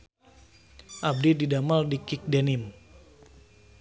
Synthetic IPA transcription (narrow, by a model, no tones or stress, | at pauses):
ʔab̚dididamaldikik̚denim